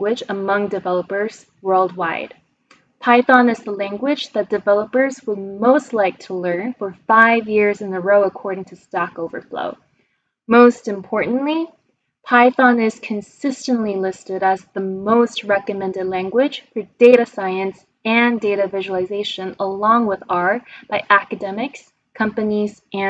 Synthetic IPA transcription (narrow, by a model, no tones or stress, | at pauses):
wɪd͡ʒəmʌ̃ŋdɨvɛlˠəpə˞z̥ | wɜ˞lˠd̚waɪd̥ | pʰaɪθɑ̃nɨzðəlæ̃ŋɡwɪd͡ʒðɨt̚d̥ɨvɛlˠəpə˞zwəd̚moʊstˡlaɪk̚tʰəlɜ̃˞nfə˞faɪvjɪɹzɨ̃n̩ðɨɹoʊəkʰɔɹɾɪ̃ŋtʰɨstɑkoʊvə̰˞flo̰ʊ | moʊstɨ̃mpʰɔɹʔn̩ʔli | pʰaɪθɑ̃nɪz̥kʰɨ̃nsɪstɨ̃nʔlilɪstɨɾɨzðəmoʊst̚ɹɛkɨmɛ̃ndɨdˡlæ̃ŋɡwɪd̥ʒ̥fə˞d̥eɪɾɨsaɪɨ̃ns | ɨ̃ndeɪɾɨvɪʒwl̩ˠɨzeɪʃɨ̃nəlɔ̃ŋwɪðɑɹt̚b̥aɪʔækɨdɛmɨks | kʰʌ̃mpɨnizɨ̃